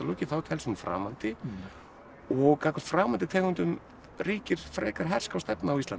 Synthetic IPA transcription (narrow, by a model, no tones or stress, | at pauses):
alowcɪθawt̪ʰɛlsʏnfɾa̰ːmant̪ɪ | ɔɣkakaɾfɾaːmant̪ɪt̪ʰɛːkʏnt̪ʏm | riːcɪɾ̥fɾɛːkaɾ̥ɦɛr̥skawst̪ɛpnaːwist̪lan